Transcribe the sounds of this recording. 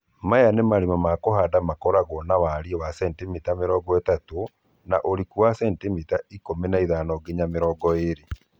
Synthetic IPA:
majanemaɾimamakoɦadamakɔɾaɣɔnawaɾiɔwasɛntimitameɾɔːɡɔetato | naʔoɾikuwasɛntimitaikomenaiðaːnɔɡeɲameɾɔːɡɔeɾe

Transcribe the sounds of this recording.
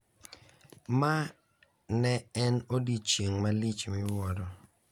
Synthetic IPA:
ma | nɛɛnodit͡ʃeŋmalit͡ʃmɪwɔɾɔ

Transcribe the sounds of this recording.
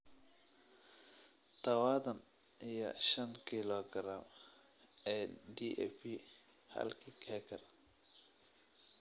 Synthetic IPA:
t̪ʰɐwaːðɐn | ɪjɔ̰ʃɐnkʰilɔɡɾam | ɛːɖiʔɛ̰fi | hɐ̰lkʰiːkʰɛkʰɐr

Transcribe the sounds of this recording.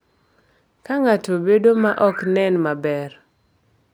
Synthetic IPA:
kaŋatobedomaʔɔknɛnmabɛr

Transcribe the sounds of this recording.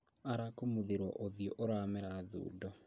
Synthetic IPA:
aɾakomuðeɾwɔ̰ʔoðijɔʔoɾamɛɾaðṵːdɔ

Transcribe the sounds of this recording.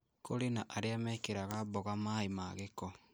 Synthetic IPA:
kʰoɾenaʔaɾeamɛkeɾaɣaβɔɣamaemaɣekɔ

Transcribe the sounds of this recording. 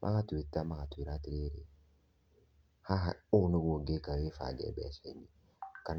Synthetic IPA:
mʔa̰katitːamakatwiɾatiɾeɾe | haɦaonoβwoɡekawefa̰ɡɛ̰bɛ̰seɲi | kan

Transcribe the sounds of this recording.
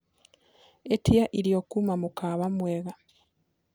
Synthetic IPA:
etiaʔiɾiokumamukʰaːβamweɣa

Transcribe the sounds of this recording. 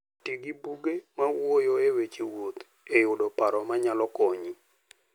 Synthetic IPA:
tiɡibuɡemawojoewet͡ʃiwot̪ | ejʊdopaɾɔmaɲalɔkɔɲi

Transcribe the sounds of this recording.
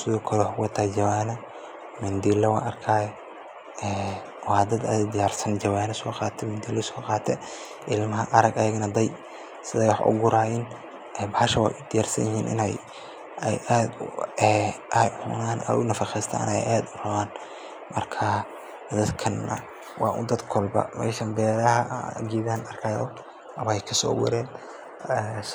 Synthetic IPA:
sɪðɔːkʰɐlɛwɑħkʊkɐt̪ʰaːd͡ʒɐwaːnɐ | mɪnd̪ilɛwɑ̰ːnʔɐrkʰaːjɛ | ɛː | wɑːd̪ɐd̪ɐ̰d̪ɪjaːrsɐnd͡ʒɐwaːnɛsɔːqɑːt̪ʰɛmɪnd̪ilɛsɔːqɑːt̪ʰɛ | ʔɪlmɐɦɐʔɐɾɐɡɐjɐɡnɐd̪ɐj | sɪðɛjwɑħʔʊ̰ɡʊɾʔaːjɪn | ɛːbɑʃɐwɑ̰ːjʔʊd̪ɪjaːrsɐ̰njɪɦḭːnʔɪ̰nɛj | ɛjʔaːd̪ɛːʔɐjʊ̰naːnʔɐ̰jʔʊnɐfɑχɛjst̪ʰa̰ːnɛjʔaːd̪ʊrɐβaːn | mɐrkʰɐ | d̪ɐd̪kʰɐnːɐ̰ | wɑːʔʊ̰nd̪ɐd̪kʰɔlbɐ̰mɛ̰ːʃɐmbɛːɾɐɦɐ̰ɡiːðaːnɐrkʰɐjʊ | ɐβɐɛjkʰɐsɔ̰ːwɛ̰ɾɛːn | ɛ

